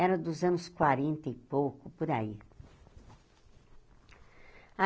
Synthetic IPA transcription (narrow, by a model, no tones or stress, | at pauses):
ɛɾɐd̪ʊzɐ̃nʊskwaɾẽnt̪ɐipowkʊpoɾai | a